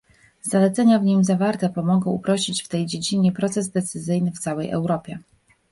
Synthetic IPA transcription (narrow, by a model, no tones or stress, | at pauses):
z̥alɛt̪sɛɲavɲimzavaɾt̪ɛpɔmɔɡɔ̃w̃upɾɔɕit͡ɕft̪ɛjd͡ʑed͡ʑiɲɛpɾɔt̪sɛzd̪ɛt̪sɘzɘjnɘft̪sawɛjʔɛ̰wɾɔpʲjɛ